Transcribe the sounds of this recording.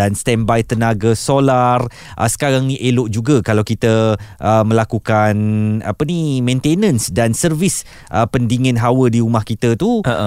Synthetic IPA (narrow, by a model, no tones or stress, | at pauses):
anst̪ɛmbajt̪ənaɡasolar | ʔə̰sə̥kaɾaŋniʔelʊʔd͡ʒuɡakalawkit̪əʔəmə̃lakukana̰pənimẽnt̪enə̃nsdansərvis | ʔəpəndiŋə̃nɦawədiumahkit̪ət̪uə